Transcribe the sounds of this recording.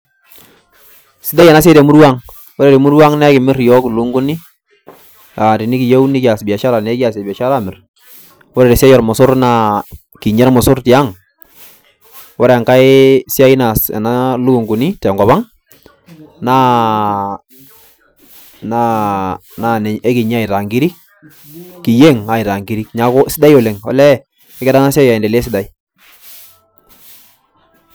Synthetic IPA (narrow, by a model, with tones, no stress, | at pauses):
sɪ˦da˦ja˨na˦s̬e˦de˨mu˦ɾwa˦ŋ | wɔ˦ɾe˦˨ɾe˨mu˦ɾwa˦ŋnɛ˦kɪ˨mɪ˦ɾjɔ˦klu˦ŋɡu˦ni˦ | a˨ti˨ni˦ki˨je˦wni˦ki˨a˨sbi˨a˨ʃa˦ɾa˨nɛ˦ki˦a˨s̬e˨bi˨a˨ʃa˦ɾa˦mɪ˨r | wɔ˦ɾɛ˨ɾe˨si˦a˦jɔ˨ɾmʊ˨sʊ˦ɾna˨ | ki˨ɲɛ˦ɾmʊ˨sʊ˦ɾti˨a˦ŋ | wɔ˦ɾɛ˨ŋka˦ɪ˦si˦a˦ji˦na˨sɛ̰˨na˦lu˦ɡu˨ŋɡu˨ni˦tɛ˨ŋɡɔ˨ba˦ŋ | na˦ | na˦na˨n˨e˦ki˨ɲ˦a˦ɪ˨ɾa˨ŋɡi˦ɾi˦k̚ | kɪ˨je˦ŋa˨ɪ˨ɾa˨ŋɡi˦ɾi˦kɲa˨˦ko˦sɪ˦da˦jo˨le˨ŋɔ̰˨lɛ˦ | ɪ˦kɛ˦da˦na˦si˦a˦ja˨ɪ˨nde˨le˦s̬ɪ˦da˨i˦